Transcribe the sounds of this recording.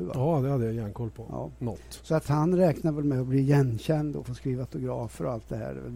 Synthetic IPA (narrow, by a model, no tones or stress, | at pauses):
va̰ɑːd̪ɛhad̪ːəjajæːnkʰɔlpʰɔɑ̰ːnɔːsɔat̪hanɾɛːknaɾvɛlmɛɔbliːjɛnːɕɛnd̪ɔ̰foːskɾiːvaat̪ʊɡɾɑːfəɾɔalt̪̚d̪ɛhæ̰ːɖɛ̰vɛ̰l